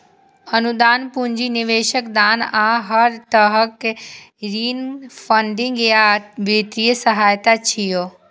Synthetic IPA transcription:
ɐnud̪aːnpʊ̃ɲd͡ʑiniʋeːʃəkd̪aːnãːɦɐɾt̪əɦək | ɾiːnfə̃ɳɖɪ̃ŋɡjaʋɾit̪ɾijəsəɦaːjt̪at͡ɕʰijoː

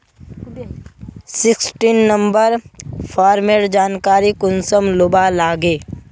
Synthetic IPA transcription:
sɪksʈiːnːə̃mbəɾpʰɔːɾmeːʈd͡ʒaːnkaːɾikʊnsəmlʊbalaːɡeː

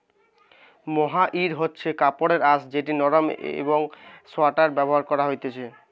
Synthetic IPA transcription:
moɦaʔiɾɦotːɕʰekapoɽeɾasd͡ʑeʈinɔɾomḛboŋsoaʈaɾbɛboɦaɾkɔɾaɦojt̪et͡ɕʰe

